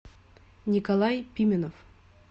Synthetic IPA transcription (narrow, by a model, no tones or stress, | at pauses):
nʲikɐlˠajpʲimʲɪnof